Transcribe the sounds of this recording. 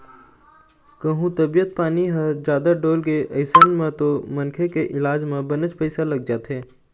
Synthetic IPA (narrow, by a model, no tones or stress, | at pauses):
kəɦũt̪ɐbijət̪̚paːniɦəd͡ʒjaːd̪aɖoːlkeʔɐɪsənmẽt̪omɐnkʰekeʔɪlaːd͡ʒmẽbɐnət͡ʃpɛɪsalɐɡ̚d͡ʒaːt̪ʰɦeː